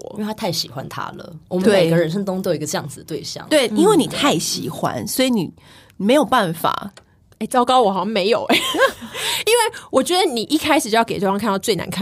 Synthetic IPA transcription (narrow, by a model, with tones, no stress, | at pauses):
t̪ʰa˥t̪ʰa˥˩ɪɕi˨˩xwa̰˦nt̪ʰa̰˥lə̰˩wmət̪wem˥˩e˨ɪ˩ɡə˦ɻə˧˥nʂ̬ə˧˥ŋt̪ʊ˥ŋt̪ʊi˧˥ɡə˧t͡ɕjɑ˥˩ŋd͡zɨ˨˩d̪ə˦t̪we˥˧ɪɕjɑ̰˥˨˦ŋt̪we˥˩ɪi˥nwe˥˩ɪni˨˩t̪ʰa˥˩ɪɕḭ˨˩xwa̰˦nswɔ˧˥i˧˦ni˨˩ | me˧˥jo˨˩ʊpa˥˩nfa̰˨˩˦ | e˥˩ɪt͡sɑ˥ʊkɑ˥ʊwɔ˨˩xɑ˨˦ɕɑ˥˧me˧ɪjo˨˩ʊɛ˦ | i˥nwe˥˩ɪwɔ˨˩t͡ɕɥɛ˧˦˥d̪ə˧ni˨˩ʔi˥˩kʰa˥ɪʂɻ̩˨˩jo˥˧jɑ˥˩ke˨˩ʈ͡ʂfɑ˥ŋʰkʰa˥˧n˧˥˧t͡swe˥˩ɪna̰˧˦nkʰa˥˨